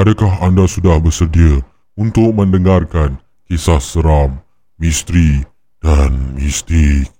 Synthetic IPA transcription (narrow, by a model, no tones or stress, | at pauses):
adakaɦandasudahbərsərdiə | unt̪ʊk̚mə̃ndəŋarkan | kisahsəɾamː | ist̪ɾi | d̥anmist̪ik̚